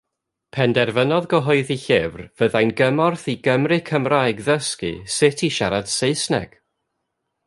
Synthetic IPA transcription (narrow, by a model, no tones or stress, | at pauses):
pʰɛndɛrvənɔðɡɔɦɔɨðiɬɪvrv̥əðajnɡəmɔrθiɡəmrɨkʰəmrajɡðəskɨ̰sɪtʰiʃaɾad̥seɨsnɛ̰ɡ̥